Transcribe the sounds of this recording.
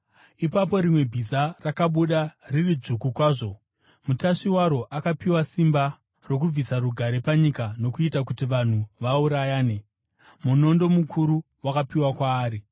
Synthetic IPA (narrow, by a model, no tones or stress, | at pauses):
ipapo̞ɾimwe̞bʱisarakaɓuɗaririd͡zukukwaːʐo̞ | mutaʂiwaɾo̞ʔakapiwasimba | ro̞k̬ub͡visaɾuɡʱaɾe̞paɲikano̞kuitak̬utiʋan̤uʋauɾajaːne̞ | muno̞ndo̞mukʰuɾu | wakapiwakwaːɾi